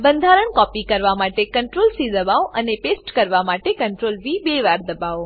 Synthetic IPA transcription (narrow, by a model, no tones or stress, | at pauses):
bə̃nd̪ʱaɾəɳkɔːpikɐɾʋamaːʈekə̃ɳʈɾoːlsid̪ɐbaoʔɐnepesʈkəɾʋamaːʈekɐ̃ɳʈɾoːlbibeːʋaɾd̪ɐbao